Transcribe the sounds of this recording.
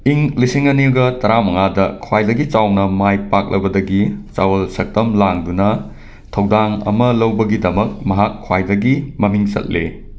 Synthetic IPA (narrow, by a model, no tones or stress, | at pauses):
iŋlisiŋɐniuɡɐtɐɾamɐŋadɐkʰwajdɐɡit͡ʃawnɐmajpak̚lʔɐ̰bɐdɐɡit͡ʃawɐlsɐk̚tɐmlaŋdunɐ | tʰɐwdaŋɐ̰mɐlɐwbɐɡidɐmɐk̚mɐɦakʰːwajdɐɡimɐmiŋt͡ʃɐ̰t̚le